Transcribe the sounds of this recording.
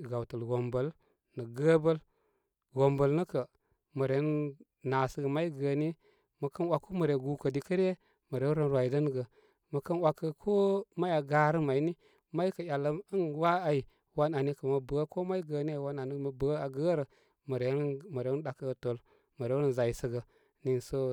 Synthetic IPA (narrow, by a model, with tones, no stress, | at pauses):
ɡa˨wtə˨lɡo˨mbə˨l | nə˨ɡə˦bə˦l | ɡo˨mbə˨lnə˦kə˨ | mə˨ɾe˨˦n | na˨sə˨˦ɡə˨ma˦i˦ɡə˨ni˦ | mə˨kə˦nwa˨ko˦mə˨ɾe˨ɡu˨˦kə˨di˨kə˦ɾe˦ | mə˨ɾe˨˦ɾə˦n˦ɾwa˨i˨də˦nɡə˨ | mə˨kə˦nwa˨kːə˦˨kʰo˦ma˦ja˨ɡa˦ɾə˦ma˨i˦ni˦ | ma˦i˦kə˨ja˨lːə˦ə˦nwa˦a˨i˨ | wa˦na˨ni˦kə˨mə˨bə˨˦ko˦ma˦i˦ɡə˨ni˦a˨wa˦na˨ni˦mə˨bə˨˦a˨ɡə˦ɾə˨ | mə˨ɾe˨˦nmə˨ɾe˦n˦ɗa˨kə˦ɡto˨l | mə˨ɾe˦n˨za˨i˨sə˨ɡə˨ | ni˨nsə˦